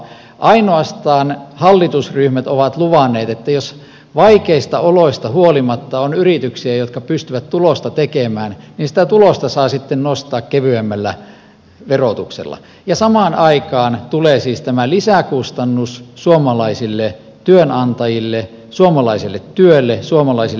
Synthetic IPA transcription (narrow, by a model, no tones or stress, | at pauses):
ʔɑinoɑst̪ɑːnhɑlːit̪usryhmæt̪oʋɑt̪luʋɑnːˑeːt̪et̪ːæjos | ʋɑikeist̪ɑoloist̪ɑhuolimɑt̪ːɑonyrit̪yksiæjot̪kɑpyst̪yʋæt̪t̪ulost̪ɑt̪ekemæːnninsĭ̥t̪æt̪ulost̪ɑsɑːsit̪ːennost̪ɑːkkeʋyæmːælːæ | ʋerot̪uksḛlːɑ̰ | jɑsɑmɑːnɑikɑːnt̪uleːsiːst̪æmælisækust̪ɑnːussuomɑlɑisilːe | t̪yønɑnt̪ɑjilːe | suomɑlɑisilːet̪tyølːesuomɑlɑisi